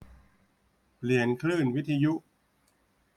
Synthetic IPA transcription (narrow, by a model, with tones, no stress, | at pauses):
pli˨˩ənkʰlɯː˥˩nwi˦˥t̪ʰːa˧ju˦˥ʔ